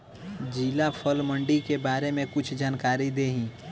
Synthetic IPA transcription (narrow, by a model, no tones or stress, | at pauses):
d͡ʒiːlapʰəlmə̃ɳɖikebaːɾemẽkʊt͡ʃʰd͡ʒaːnkaːɾid̪eːɦĩː